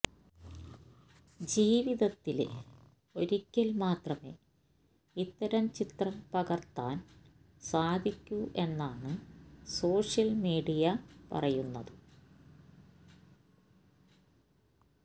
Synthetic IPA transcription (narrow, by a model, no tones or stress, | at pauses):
d͡ʑiːʋiðɐt̪ːilḛ | o̞ɾikʲːɐlmaːt̪rɐme̞ː | it̪ːɐɾɐmt͡ɕit̪rɐmpɐɣɐrt̪ːaːn | saːd̪ʱikʲːuʔe̞nːaːɳɨso̞ːʂjɐlmiːɽijɐpɐ̰rɐjunːɐðɨ